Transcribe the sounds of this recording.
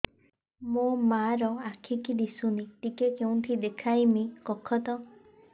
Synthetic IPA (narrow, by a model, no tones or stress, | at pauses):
momaɾɔakʰikid̪isunit̪ikekeũt̪ʰid̪ekʰajmikɔkʰɔt̪ɔ